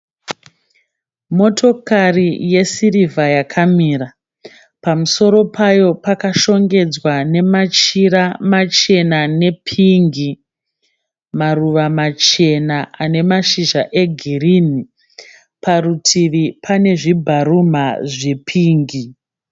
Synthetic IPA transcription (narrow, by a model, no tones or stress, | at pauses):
mo̞tʰo̞karije̞sirivajakʰamiːɾa | pamuso̞ɾo̞pajo̞pakaʃo̞ŋɡe̞d͡zwane̞mat͡ʃiɾamat͡ʃe̞nane̞pʰiːŋɡi | maruʋamat͡ʃe̞naʔane̞maʃiʒaʔe̞ɡʱiɾini | pʰarutʰiʋipʰane̞ʐibʱaɾumaʐe̞pʰiːŋɡi